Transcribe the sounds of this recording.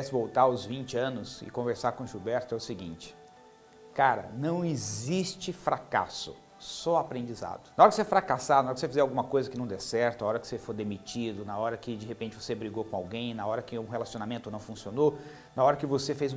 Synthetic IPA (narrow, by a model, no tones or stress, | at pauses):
ɛsɪvowt̪aʊzvĩnt͡ʃɪɐ̃nʊsɪ̰kõveɾsaɾkõʒubɛɾt̪ʊɛʊsiɡĩnt͡ʃɪ̥ | kaɾɐ̰nɐ̃w̃ezist͡ʃɪfɾaka̰sʊ̰ | sɔapɾẽnd͡ʒiza̰d̪ʊnɐɔɾɐkɪseɛfɾakasad̪ʊnaɔɾɐkɪsefizɛawɡũmɐkojzɐkɪnɐ̃w̃d̪ɛsɛɾt̪ʊnaɔɾɐkɪ̥sefoɾd̪emit͡ʃid̪ʊnɐɔɾɐkɪd͡ʒɪhepẽnt͡ʃɪvosebɾiɡokõawɡẽj̃nɐɔɾɐkɪʊũɦelasionamẽnt̪ʊnɐ̃w̃fũsiono | nɐɔɾɐkɪvosefejz